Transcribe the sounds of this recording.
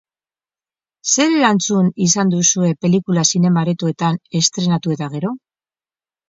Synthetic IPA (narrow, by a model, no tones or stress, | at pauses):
se̞ɾelant͡sunisand̪usue̞pe̞likulasine̞maɾet̪ue̞t̪ane̞st̪ɾe̞nat̪ue̞t̪aɣ̞e̞ɾo̞